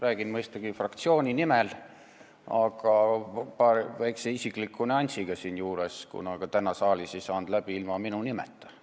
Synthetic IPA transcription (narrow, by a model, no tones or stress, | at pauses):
ræːɡ̥inmɤjst̪ɑɡ̥ifrɑkt̪sio̞ːnʲinimɛl | ɑɡ̥ɑpɑɾvæjkseisiklikːˑuneɑnʲsiɡ̥ɑsiːnjuːɾeskṵnɑɡ̥ɑt̪ænɑsɑːlisisɑːnd̪̥læb̥iilmɑminunimɛ̰t̪ːˑ